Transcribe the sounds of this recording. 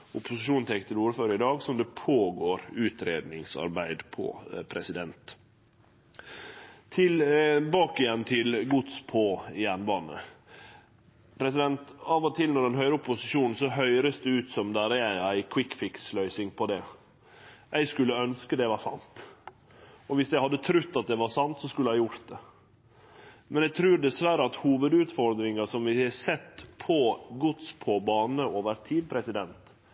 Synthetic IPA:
ʊpʊsɪʃuːnt̪ʰɛkt̪ʰɪluːɾəføːɾəɪd̪ɑːɡsɔmd̪ɛpʰoːɡoːɾʉːt̪ɾeːd̪nɪŋsɑ̰ɾbæɪd̪pʰɔ̰pʰɾɛsɪd̪ɛnt̪ | t̪ʰɪlbɑːkɪjɛnt̪ʰɪlɡʊt̪spʰɔjænbɑːnə̰ | pʰɾɛsɪd̪ɛnt̪ɑːʋɔt̪ʰɪlnɔɖɛnɦœʏɾəʊpʊsɪʃuːnn̩sɔɦœʏɾəsd̪ɛʉːt̪sɔmd̪æɾəæɪæɪkʰwɪkfɪkslœʏsɪŋpʰɔd̪ɛ | ʔæɪskʉlːəœnskəd̪ɛʋɑɾsɑ̰nt̪ | ɔʋɪsjæɪhɑd̪ːət̪ʰɾʉt̪ːɑt̪̚d̪ɛʋɑɾsɑnt̪sɔskʉlːəhæɪjʊɾt̪̚d̪ɛ | mɛnæt̪ʰɾʉːɾɖɛsʋæːɾəɑt̪huːʋəd̪ʉːt̪fɔɾd̪ɾɪŋɑsɔmʋɪhæsɛt̪ːpʰɔɡʊt̪spʰɔbɑːnəɔʋəɾt̪ʰiːd̪pʰɾɛsɪd̪ɛnt̪

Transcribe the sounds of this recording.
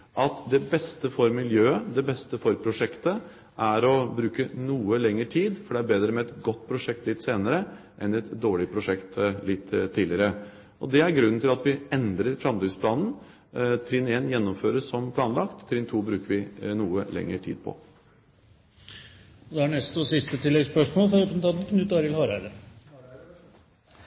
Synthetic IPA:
ʔɑt̪d̪ɛbɛst̪əfɔɾmɪljøːəd̪ɛbɛst̪əfɔɾpʰɾʊʂɛkt̪ə | ʔæɾɔbɾʉːkənuːəlɛŋːəʈʰiːd̪fɔɖɛæɾbeːd̪ɾəmɛɛt̪ɡɔt̪ːpʰɾʊʂɛk̚t̪lɪt̪ːseːnəɾə | ʔɛnɛt̪d̪oːɭɪpʰɾʊʂɛkt̪lɪt̪ʰːiːlɪɾə | ʔɔd̪ɛæɾɡɾʉnːn̩ʰɪlɑt̪ʋɪɛnd̪ɾəɾfɾɑmt̪yːspʰlɑːnn̩ | t̪ʰɾɪneːnjɛnːɔmføːɾəsɔmpʰlɑːnlɑkt̪t̪ʰːɾɪːnt̪ʰuːbɾʉːkəɾʋɪnuːəlɛ̰ŋːəʈʰḭːd̪̚pʰɔ̰ | ɔd̪ɛæɳɛst̪ɔsɪst̪ət̪ʰɪlːɛɡspœʂmoːlfɔoːpənət̪ʰɑd̪n̩kʰnʉt̪ːd̪ɑːɾɪəlhɑɾæɪd̪əɾ

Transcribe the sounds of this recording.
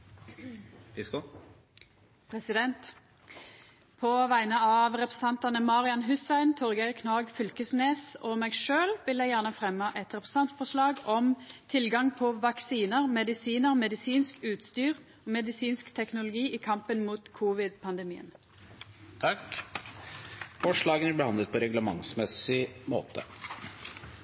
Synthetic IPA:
ʋɪsko | pʰʁɛsɪd̪ɛnt̪ | pʰɔʋæɪnəɑʋʁɛpʁɛsɛnt̪ɑnəmɑʁɪɑnɦʉsæɪnt̪ʰɔʁɡɛkʰnɑːɡfʏlkəsneːsɔmɛɡʃøːlʋɪljæɪjæːʁnəfʁɛmːəʔɛt̪ʁɛpʁɛsɛnt̪fɔʂlɑːɡɔmt̪ʰɪlɡɑŋpʰɔʋɑksiːnəʁmɛd̪ɪsiːnəʁmɛd̪ɪsiːnskʉːt̪st̪yːʁ | ɔmɛd̪ɪsiːnskt̪ʰɛknʊlʊɡiːʔɪkʰɑmpənmuːt̪kʰuːʋɪd̪pʰɑnd̪ɛmiːə̰n | t̪ʰɑk | fɔʂɭɑːɡənæɾbɛhɑnd̪ət̪̚pʰɔɾɛɡləmɑ̰ŋsmɛsɪmo̰ːt̪ə̰

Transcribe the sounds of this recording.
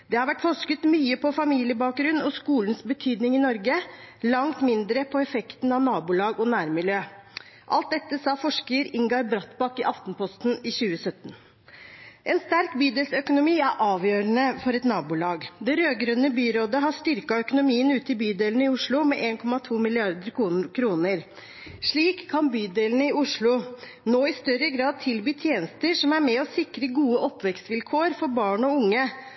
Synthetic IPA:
d̪̥ɛhɑɾʋæʈːfɔʂkət̪myːəpʰɔfɑmiːlɪəbɑːk̚ɡɾʉnːɔskuːlənsbət̪ʰyːd̪nɪŋɪnɔɾɡəlɑŋt̪mɪnd̪ɾəpʰɔɛfɛkt̪n̩ɑʋnɑːbʊlɑːɡɔnæːɾmɪljøː | ʔɑ̰lt̪̚d̪ɛt̪ːəsɑːfɔʂkəəɾɪŋɡɑɾbɾɑt̪bɑkɪʔɑft̪npʰɔst̪nɪçʉːəsœt̪ːn | ʔɛnst̪æɾkbyːd̪ɛlsœkʊnʊmiːæɾʔɑːʋjøːɾənəfɔɾɛt̪nɑːbʊlɑːɡd̪ɛɾøːɡɾœnəbyːɾoːd̪əɦɑʂt̪ʏɾkɑœkʊnʊmiːənʉːt̪ɪbyːd̪eːlnəɪʊʂɭʊmɛʔeːnkʰɔmɑt̪ʰuːmɪlɪɑɾd̪əɾkʰuːkʰɾuːnəɾ | ʂɭiːkʰːɑnbyːd̪eːlnəɪʊʂɭʊ | noːɪst̪œɾəɡɾɑːd̪̚t̪ʰɪlbyːt̪ʰjeːnəst̪əʂɔmæɾmɛɔsɪkɾəɡuːəʔɔpːʋɛkst̪ʋɪlkʰoːəɾfɔɾbɑːɳɔʊŋːə

